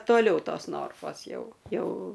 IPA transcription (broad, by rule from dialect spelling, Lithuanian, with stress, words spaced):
toːˈlʲɛʊ ˈtoːs ˈnoːrfoːs ˈjɛʊ ˈjɛʊ